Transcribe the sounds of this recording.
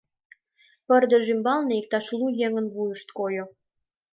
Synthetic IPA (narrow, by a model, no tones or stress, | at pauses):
pərd̪ĕʒymbɑlneik̚t̪ɑʃlujeŋənβujəʃt̪kojo